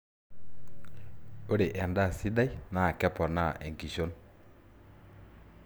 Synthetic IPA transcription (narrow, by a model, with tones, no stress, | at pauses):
o˦ɾe˨ʔɛ˨nda˦˨si˦da˦i˦na˨kɛ˦pɔ˨na˦˨ʔɛ˨ŋki˨ʃo˦n